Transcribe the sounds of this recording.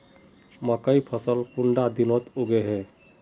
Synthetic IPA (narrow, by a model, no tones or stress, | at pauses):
məkəipʰəsəlpuɳɖad̪inot̪oɡeɦɛ